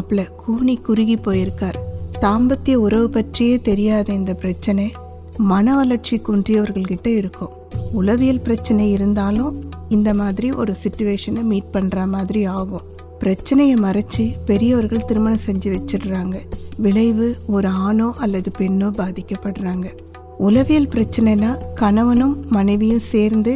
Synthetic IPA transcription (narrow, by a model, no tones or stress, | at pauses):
ɐpːɯɭɐkuːɳikːʊɾɪɣipːoːjɪɾɯkːaːɾt̪aːmbɐt̪ːɪjɐʊɾɐʋɯpɐʈrɪjeːt̪ɛɾɪjaːðɐɪnd̪ɐpɪɾɐt͡ʃːɐnɐ | mɐnɐʋɐlɐɾt͡ʃikuɳdrɪjɐʋɐɾɣɐɭkɪʈːɐɪɾɯkːɯ̃ | ʊlɐʋɪjɐlpɪɾɐt͡ʃːɐnɐɪɾɯnd̪aːlʊ̃ | ɪnd̪ɐmaːðɪɾiʔɔ̰ɾɯsɪʈːʊʋeːʂɐnemiːʈ̚pɐɳːrɐmaːðɪɾiaːɣɯ̃ | pɪɾɐt͡ʃːɐnɐjɐmɐɾɐt͡ʃːipɛɾɪjɐʋɐɾɣɐɭt̪ɪɾɯmɐnɐ̃sɛɲd͡ʒiʋɛt͡ʃːɯɾɾaːŋɡɐʋɪɭɐɪʋɯɔɾɯaːnoːʔɐlːɐðɯpɛɳːoːbaːðɪkːɐpːɐɽɯɾaːŋɡɐ | ʊlɐʋɪjɐlpɪɾɐt͡ʃːɐnɐnaːkɐɳɐʋɐnɯ̃mːɐnɐɪʋɪjɯ̃mseːɾnd̪ɯ